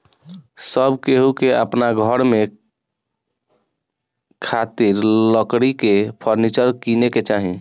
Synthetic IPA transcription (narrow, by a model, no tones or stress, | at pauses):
səbkeɦukeə̰pnaɡʱəɾme | kʰat̪iɾləkɾikepʰəɾnit͡ʃəɾkineket͡ʃaɦĩ